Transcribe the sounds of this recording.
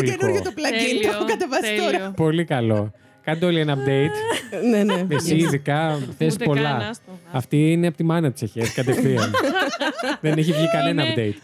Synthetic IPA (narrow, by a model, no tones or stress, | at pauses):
enuɾʝɐt̪oplɐcint̪okɐt̪evɐsi̥t̪oɾɐpo̞likɐlo̞ | kɐnd̪eo̞lienɐp̚d̪ejt̪neneesiːðikɐθespo̞lɐɐft̪iineɐpot̪imɐnɐt̪i̥sɐçeskɐt̪ekθiɐn | ðeneçivʝikɐne̞nɐɐpd̪ejt̪̚